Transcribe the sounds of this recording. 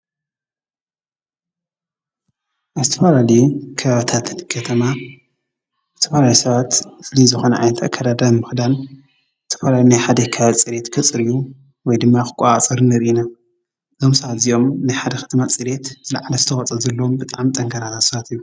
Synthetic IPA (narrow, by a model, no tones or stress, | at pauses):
ʔazɨt̪ʰɐfalalɐjukʰɐβaβɨt̪ʰat̪kʰɐt̪ʰɐma | zɨt̪ʰɐfalalisɐβat̪ɨflizɨxo̞nɐʔa̰nɐt̪ʰakʰːad̪ad̪ajmɨxd̪an | zɨt̪ʰɐ̥falaljinajħad̪ɐkʰaβaβt͡sʼɨɾe̞t̪kʰɨt͡sʼɨɾiju | wɔjd̪ɨmːaxɨ̥kʼaat͡sʼɨɾɨnɨɾʔina | zomsɐβat̪ziʔo̞mnajħad̪ɐkʰɐ̥t̪ʰɐmat͡sʼɨɾe̞t̪z̥ɨlaʕalɐzɨt̪ʰɐxɐt͡sʼɐzɐlːoombɨt̪ʼaʕamt̪ʼɐŋkʰaɾʰat̪ʰat̪sɐβat̪ʰijːu